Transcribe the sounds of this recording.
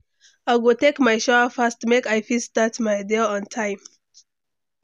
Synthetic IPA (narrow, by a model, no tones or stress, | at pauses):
aɪɡotekmajʃɔəfastmekajfistatmajdɛɔ̃ntʰãɪ̃m